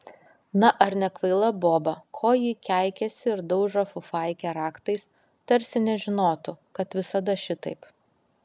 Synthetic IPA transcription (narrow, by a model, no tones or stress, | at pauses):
nɐʔɐɾnʲɛkʋɐɪlˠɐboːbɐkʰoːjiːkʲæˑɪkʲɛsʲɪɪɾd̪ɐʊʒɾɐfʊfɐˑɪkʲɛɾɑːkt̪ɐɪs | t̪ɐɾʲsʲɪnʲɛʒʲɪnoːt̪ʊkɐt̪ʋʲɪsɐd̪ɐʃʲɪt̪ɐɪp